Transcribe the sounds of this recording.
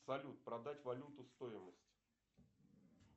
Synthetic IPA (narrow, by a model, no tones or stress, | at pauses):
sɐlʲut̪̚pɾɐd̪atʲvɐlʲut̪ʊst̪o̞jɪməsʲtʲ